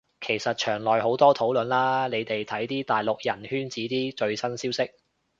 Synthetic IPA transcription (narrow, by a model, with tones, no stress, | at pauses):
kʰe˨˩jsɐ˨t̚t͡ʃʰœː˨˩ŋlɔː˨˩jho˨˥wt̪ɔː˥t̪ʰo˨˥wlɵ˨nlaː˥ne˨˧jt̪e˨jt̪ʰɐ˨˥jt̪iː˥t̪aː˨jlʊ˨k̚jɐ˨˩nhyː˥nt͡siː˨˥t̪iː˥t͡ʃɵ˧ɥsɐ˥nsiː˥wsɪ˥k̚